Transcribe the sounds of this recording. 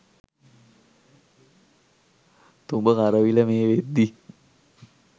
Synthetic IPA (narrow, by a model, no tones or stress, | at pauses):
t̪umbəkaɾəʋiləmeːʋed̪ːi